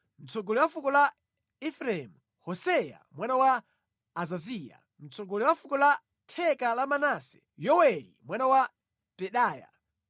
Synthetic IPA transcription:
m̩t͡sʰɔɡɔliwafukɔla | ɛfɾaɛmu | hɔsɛja̰mwanawaː | zazia̰ | m̩t͡sɔɡɔliwafukɔla | tʰɛkalamanasɛ̥ | jɔwɛlḭmwanawa | pɛɗaːja̰

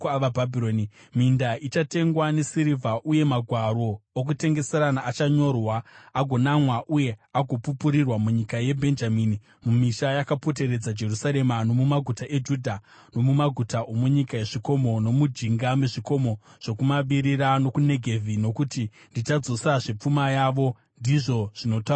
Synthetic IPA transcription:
ʋabʱabʱiɾoːnimindaʔit͡ʃate̞ŋɡwane̞siɾivʱaʔuje̞maɡʱwaɾo̞ːk̬ute̞ŋɡe̞se̞ɾanaːt͡ʃaɲo̞rwaːɡʱo̞namwaʔuje̞aɡʱo̞pupuɾirwamuɲikaje̞bʱe̞nd͡ʒamiːni | mumiʃajakapo̞te̞ɾe̞d͡zad͡ʒe̞rusaɾe̞mano̞mumaɡʱutaʔed͡ʒudʱa | no̞mumaɡʱutaʔomuɲikaje̞ʐiko̞mo̞no̞mud͡ʒiŋɡameʐiko̞mo̞ʐ̥okumaɓiɾiɾano̞kune̞ɡʱe̞vʱino̞kuti | ndit͡ʃad͡zo̞saʐep͡fumajaʋo̞ | ndiʐo̞ʐ̥ino̞ta

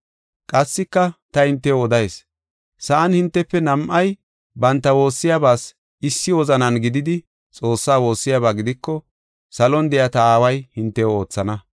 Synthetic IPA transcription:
kʼɐsːɪkːɐt̪ɐhɪnt̪ːɛɔd̪ɐjeːs | sɐʔɐnhɪnt̪ːɛpːɛnɐmʔɐj | bɐnt̪ːɐwo̞ːsːɪjaːbaːs | ɪsːɪwɔzɐnɐnɡɪd̪ɪd̪ɪ | t͡sʼo̞ːsːaːwo̞ːsːɪjabaːɡɪd̪ɪkːɔ | sɐlɔnd̪ɛjɐt̪ɐaːwɐjhɪnt̪ːɛo̞ːt͡sːɐnɐ

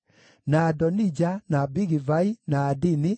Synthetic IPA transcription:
nadɔnid͡ʒanabiɣivainaːdini

